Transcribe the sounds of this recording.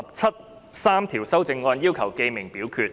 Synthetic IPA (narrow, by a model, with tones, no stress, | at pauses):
p̚t͡sʰɐ˥t̪̚ | saː˥mt̪ʰiː˨˩wsɐ˥wt͡sɪ˧ŋːɔː˧njiː˥wkʰɐ˨˩wke˧mɪ˨˩ŋpiː˨˥wkʰyː˧t̚